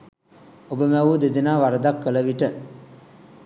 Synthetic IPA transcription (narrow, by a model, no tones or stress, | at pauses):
obəmæʋud̪ed̪inaːʋaɾəd̪akːələʋiʈə